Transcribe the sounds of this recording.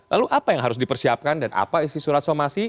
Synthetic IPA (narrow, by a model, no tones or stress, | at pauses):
laluʔapajaŋɦaɾʊs̬dipərsiap̚kandana̰paisisuɾat̪̚somasi